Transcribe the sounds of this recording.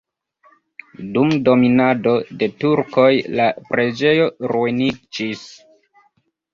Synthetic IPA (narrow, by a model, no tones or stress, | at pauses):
dumdo̞minado̞de̞tuɾko̞jlapɾe̞d͡ʒe̞jo̞ɾuinid͡ʒis